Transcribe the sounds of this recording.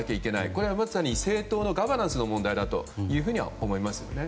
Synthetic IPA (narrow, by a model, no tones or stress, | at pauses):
akʲeike̞na̰iko̞ɾe̞βamaɨ̥saɲ̟ise̞ːt̪o̞ːno̞ɡaβaɾãɰ̃sɨnomõ̞nd̪aid̪at̪o̞̰jɯ̟ːɸɯ̟ɲ̟iβa̰omo̞imasɨjo̞̰ne̞